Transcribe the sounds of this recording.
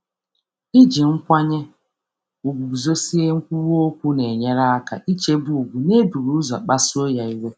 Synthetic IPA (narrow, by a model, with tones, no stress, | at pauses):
i˦d͡ʒi˨ŋ̩˦kʷa˦ɲe˦ | u˨ɡ͡bu˨bu˨zo˦si˦e˦ŋ̩˦kʷu˦ɾu˦o˦kʷu˦ne˨ɲa˦ɾa˦a˦ka̰˨ʔi˦t͡ʃe˦bu˨u˨ɡʷu˨ne˦bu˨ɾu˦za˨k͡pa˦sʊ˦o˦ja˨i˦we˦